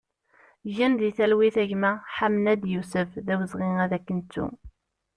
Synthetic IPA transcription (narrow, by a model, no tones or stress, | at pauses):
ʝinðiθælwiθæʝmæħamnæd̪jusəfðæwəzʁɪŋæðækːənt̪ːṵ